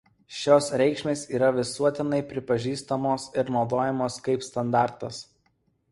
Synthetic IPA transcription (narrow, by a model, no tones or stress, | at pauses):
ʃʲoːsɾʲɛɪkʃʲmʲeːsiːɾɐʋʲɪsuɔt̪ʲɪnɐɪpʲɾʲɪpɐʒʲiːst̪ɐmoːsɪɾnɒʊd̪oːjɛmoːskɐɪpst̪ɐnd̪ɑˑɾt̪ɐs